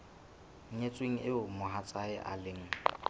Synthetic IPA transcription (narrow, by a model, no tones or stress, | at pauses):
ŋ̩ɲet͡sʼweŋ̩ɪʊmʊɦat͡sʼaɪʔa̰lɪŋ̩